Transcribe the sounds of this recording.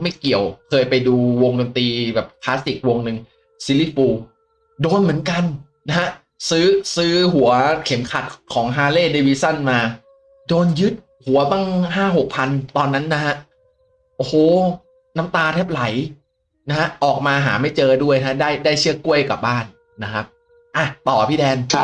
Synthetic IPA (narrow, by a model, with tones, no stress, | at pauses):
ma˥˩jki˨˩əwkʰɤː˧jpa˧jduː˧wo˧ŋdo˧nt̪iː˧bɛː˨˩p̚pʰlaː˦˥st̪i˨˩k̚wo˧ŋnɯ˨˧ŋ | siː˧˦li˦˥˩t̪̚fuː˧ | doː˧nmɯ˩˦ənka˧n | na˦˥ha˦˥ʔ | sɯː˦˥sɯː˦˥ɦu˩˦ɐkʰe˩˦mkʰa̰˨˩t̪̚kʰɔː˩˦ŋɦaː˧leː˥˩deː˧wiː˦˥sa˥˩nmaː˧ | doː˧njɯ˦˥t̪̚ | hu˩˦ɐba˥˩ŋɦaː˥˩ɦo˨˩k̚pʰa˧nt̪ɔː˧nːa˦˥nːa˦˥ha˦˥ʔ | ʔo˧˩hoː˨˩ | na˦˥mt̪aː˧t̪ʰɛ˦˥p̚la˩˦j | na˦˥ha˦˥ʔɔː˨˩k̚maː˧ɦaː˩˦ma˥˩jt͡ɕɤː˧du˥˩əjnʰa˦˥daː˥˩jdaː˥˩jt͡ɕʰɯ˥˩əku˥˩əjka˨˩p̚baː˥˩nː | a˦˥kʰa˦˥p̚ | ʔa˧˩t̪ɔː˨˩pʰiː˥˩dɛː˧n